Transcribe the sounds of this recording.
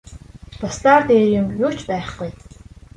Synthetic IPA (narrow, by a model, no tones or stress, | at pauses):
t̪ɔst̪aːrt̪eːjʊmjʊːt͡ɕpæːχɢuj